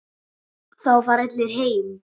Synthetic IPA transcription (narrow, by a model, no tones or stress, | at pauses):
θawfaɾɛt̪lɪɾ̥ɦeːjm